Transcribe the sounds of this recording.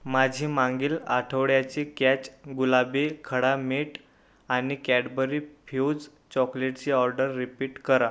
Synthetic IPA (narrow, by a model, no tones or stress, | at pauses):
mad͡ʑʱiːmãŋɡiːla̰ʈʰəʋɽjat͡ɕikɛt͡ɕɡulabekʰəɽameʈ | añikæɽbəɾifʰuwd͡z | t͡ɕɔkleʈt͡ɕiɔɾɖəɾːipiːʈkəɾa